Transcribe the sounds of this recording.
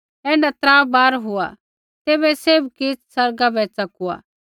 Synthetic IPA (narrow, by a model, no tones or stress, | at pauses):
ɛːnɐt̪ɾaːbaːɾɦoa̰ | t̪eːbɛseːbkɪt͡ssɐɾɡabɛt͡sɐkua̰ː